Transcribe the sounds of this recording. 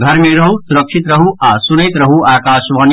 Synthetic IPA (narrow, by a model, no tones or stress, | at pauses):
ɡʱɐɾmeɾɐɦusuɾɐkʂit̪ɾɐɦuaːsunejt̪ɾɐɦuaːkaːʃʋɐn